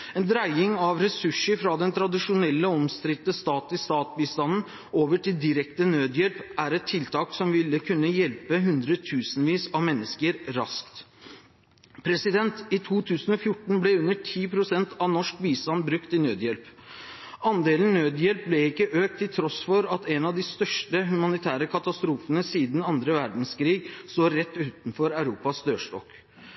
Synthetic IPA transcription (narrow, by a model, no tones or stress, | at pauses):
ɛnd̪ɾæɪɪŋɑʋɾɛsʉʂəɾfɾɑd̪ɛnt̪ʰɾɑd̪ɪʂʊnɛlːəɔmst̪ɾɪt̪ːəst̪ɑːt̪lɪst̪ɑːt̪biːst̪ɑnn̩ | oːʋəʈɪld̪ɪɾɛkt̪ənøːd̪jɛlpʔæɾɛt̪ʰːɪlt̪ʰɑːksɔmʋɪlːəkʰʉnːəjɛlpəɦʉnd̪ɾət̪ʰʉːsnʋiːsɑʋmɛnːəskəɾɾɑ̰skt̪ | pʰɾɛsɪd̪ɛnt̪ɪt̪ʰuːt̪ʰʉːsən̩ɔfjʊʈːɳ̩blɛʉnːəʈʰiːpʰɾʊsɛnt̪ʰɑʋnɔʂkʋiːst̪ɑnbɾʉkt̪ɪnøːd̪jɛlp | ɑnd̪eːlən̩nːøːd̪jɛlp̚blɛɪkːəʔøːk̚t̪ʰːɪlt̪ʰɾɔsfɔɾɑt̪ɛnɑʋd̪ɪst̪œʂʈəɦʉmɑnɪt̪ʰæːɾəkʰɑt̪ɑst̪ɾuːfənəsiːd̪n̩ɑnd̪ɾəʋæɾɖɳ̩skɾiːɡsoːɾɛt̪ːʉːt̪n̩fɔɾæʉɾuːpɑsd̪øːʂʈɔ̰k